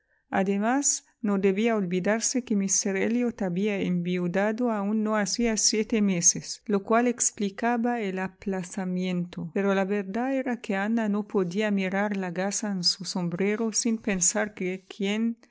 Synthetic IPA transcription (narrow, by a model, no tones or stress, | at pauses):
a̰d̪emas | nod̪eβiaolbid̪aɾsekemiseɾeljot̪aβiaembiud̪ad̪oaunːoasiasjet̪emeseslokwaleksplikaβaelaplasamjẽnt̪opeɾolaβeɾd̪aeɾakeananopod̪iamiɾaɾlakasaensusombɾeɾosinpensaɾkekʰjen